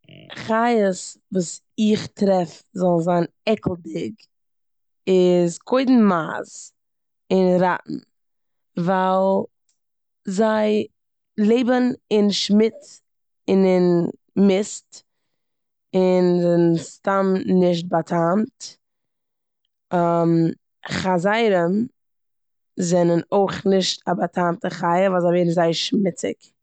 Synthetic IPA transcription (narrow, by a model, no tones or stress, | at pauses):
χajəsvuːs | ɪχtɾɛfzɔlˠzaɪn | ɛkl̩ˠdɪɡ | ɪzkʰoɪdn̩ma̰ːz | ɪnɾa̰ʔn̩ | valˠ | zaɪ | lˠeɪbənɪnʃmɪt͡s | ɪnɪn | mɪst | ɪnzɛnnstamnɪʃ̬t̚batʰamt | am | χazaɪɾəm | zɛnənoɪχnɪʃtabatʰamtəχaɪəvalˠzaɪveɪdn̩zaɪʃmɪt͡sɪ̰k